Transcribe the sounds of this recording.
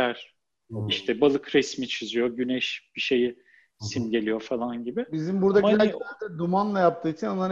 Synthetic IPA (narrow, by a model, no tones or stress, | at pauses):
æɾ̥ | iʃt̪ʰɛbalˠɯkɾɛsmit͡ʃʰyzyjo̞ɟynɛʃb̥iʃe̞ji | sinɟe̞lʲijo̞falˠanɟibɪbizimbuɾd̪ailɛaːt̪ʰɛnd̪umanlˠajap̚t̪ʰɯːit͡ʃʰinanlˠaɾ